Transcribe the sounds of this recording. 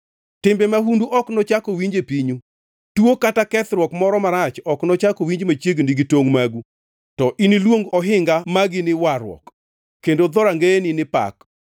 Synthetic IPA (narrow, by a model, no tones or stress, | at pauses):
tɪmbɛmaɦunduʔɔknɔt͡ʃakowiɲd͡ʒepiɲu | tuokatakɛt̪ɾwɔkmɔɾɔmaɾat͡ʃɔknɔt͡ʃakowiɲd͡ʒmat͡ʃjeɡndiɡitoŋmaɡu | tɔʔinilwoŋɡɔɦɪŋɡamaɡɪnɪwaɾwɔ̰k | kːendod̪ɔɾaŋɡeenɪnɪpa̰k